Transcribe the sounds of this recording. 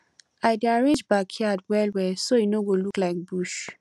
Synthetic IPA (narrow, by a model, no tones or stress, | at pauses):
aɪdaɹẽnd͡ʒbakhiatwɛlwɛsojinoɡoluklaɪk̚buʃ